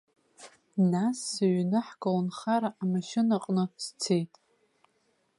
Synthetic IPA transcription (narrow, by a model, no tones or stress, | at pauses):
nasːɨɥnɨħɡawnχaɾaʔamaʃɪnaqʼnɨst͡sʰejtʼ